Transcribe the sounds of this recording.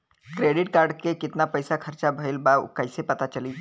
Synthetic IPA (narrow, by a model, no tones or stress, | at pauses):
kɾeːɖɪʈ̚kaːɾɖkekɪt̪napɐjsakʰɐɾt͡ʃabʱəɪlbakɐɪsepɐt̪at͡ʃɐliː